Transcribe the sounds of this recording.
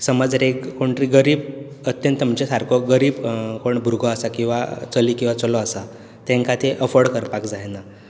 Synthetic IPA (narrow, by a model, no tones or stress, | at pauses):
səməd͡zɾekkoɳʈɾiɡəɾiːb | ət̪jə̃nt̪ːəmt͡ɕesaɾkɔɡəɾiːbkoɳbʱuɾɡɔasakĩw̃ʋa̰t͡səliːkĩw̃ʋat͡səlɔasa | t̪ɛ̃ŋkat̪ʰeʔəfəɾɽkəɾpakd͡zajna